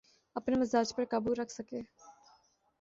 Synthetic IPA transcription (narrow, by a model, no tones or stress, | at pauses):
ɐpnemɪzaːd͡ʒpəɾkɐbuɾɐkʰsəkeː